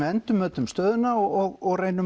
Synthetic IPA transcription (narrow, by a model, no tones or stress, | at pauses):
ɪɛnt̪ʏmːœːt̪ʏmst̪œːðʏnːaɔɔɣɔɣreːjnʏ